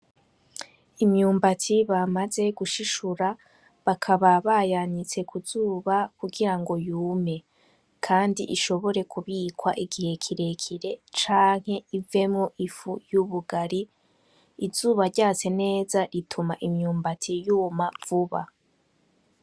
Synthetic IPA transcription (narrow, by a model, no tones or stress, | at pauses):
imɲuːmbatʰiβamaze̞ɡuʃiʃuɾa | βakʰaβaβajaɲit͡se̞kʰuzuːβakuɡiɾaŋɡo̞juːme̞ | kʰaːndiʔiʃo̞βo̞ɾe̞kʰuβiːkwaʔiɡihe̞kʰiɾe̞kʰiɾe̞t͡ʃaːŋ̥he̞ive̞mŋo̞ʔifujuβuɡaɾiː | zuːβaɾɟaːt͡se̞ne̞ːzaɾitʰumaʔimɲuːmbatʰijumav̥uβa̰